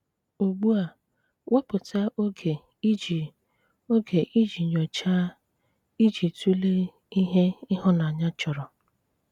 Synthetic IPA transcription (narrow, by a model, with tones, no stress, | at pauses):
o˨ɡ͡bu˦a˨ | wʔa˦pʊ˨ta˦ʔo˦ɡʰe˨ | i˦d͡ʒi˨ | o˦ɡe˨ʔi˦d͡ʒi˨ɲɔ˨t͡ʃa˦ | i˦d͡ʒi˨tu˦le˦ | i˦ɦe˦ɪ˦ɦʊ˦na˨ɲa˦t͡ʃɔ˨ɾɔ˨